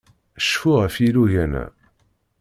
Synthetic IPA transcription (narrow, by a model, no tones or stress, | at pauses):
əʃfʊʁəfiluʝænæ̰